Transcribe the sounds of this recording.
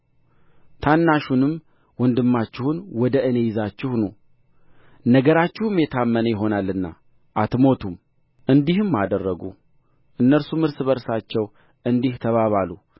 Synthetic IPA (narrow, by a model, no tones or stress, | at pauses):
t̪ʰanːaʃunɨm | wɔnd̪ɨmːat͡ʃːɪhunwɔd̪əʔɨne̞jɪzat͡ʃːɪhnu | nəɡəɾat͡ʃːɪhɨmjɛt̪ʰamːənəjɪɦo̞nalːɨnːa̰ | ʔat̪mo̞t̪ʰum | ʔɨnd̪ihɨmːad̪ərːəɡṵ | ʔɨnːəɾsumɨɾsɨβəɾsat͡ʃːɛw | ʔɨnd̪iht̪ʰəβaβalu